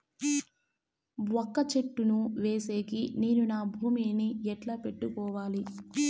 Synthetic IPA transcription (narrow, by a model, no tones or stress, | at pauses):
ɔkːɐt͡ʃeʈːunuʋeːse̞ːkine̞ːnunaːbʱuːminiɛʈlape̞ʈːukɔːʋaːli